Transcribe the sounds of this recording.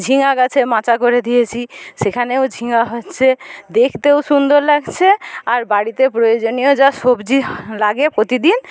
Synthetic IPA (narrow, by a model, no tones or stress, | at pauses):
d͡ʑʱiŋakat͡ɕʰemãt͡ɕakoɾed̪ijet͡ɕʰiʃekʰaneod͡ʑʱiŋaɦotːɕʰed̪ekʰt̪ewʃund̪oɾlaɡt͡ɕʰeaɾbaɽit̪epɾojod͡ʑonijod͡ʑaʃobd͡ʑilaɡepɾot̪id̪in